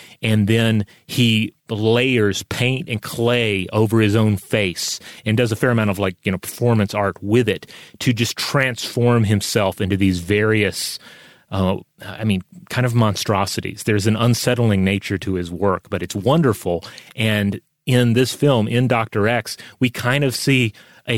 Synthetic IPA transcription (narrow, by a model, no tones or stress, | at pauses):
ɨ̃nðɨ̃n | ileɪə˞z̥pʰẽɪ̃ntɨ̃nkʰl̥eɪʔoʊvə˞ɨzõʊ̃nfeɪsɨ̃ndʌzəfɛɹɨmãʊ̃tʌvlaɪkjɨñoʊpʰə̥˞fɔɹmɨ̃nsɑɹt̚wɪðɪtʰɨd͡ʒʌstʰɹ̥æ̃nsfɔɹmɨ̃msɛlˠfɪ̃ntʉðizvɛɹiɨs | a̰ɪmĩnkʰãɪ̃ndʌvmɑ̃nstɹ̥ɑsɨɾḭz̥ðə˞ɨz̃n̩ə̃nsɛɾl̩ˠɪ̃ŋneɪt͡ʃə˞ɾɨɪzwɜ˞k̚b̥ʌɾɨtswʌ̃ndə˞fl̩ˠʔɨ̃n | ɪ̃nðɪsfɪlˠmʔɪ̃ndɑk̚tə˞ɛkswikʰãɪ̃ndʌv̥si | ʔɨ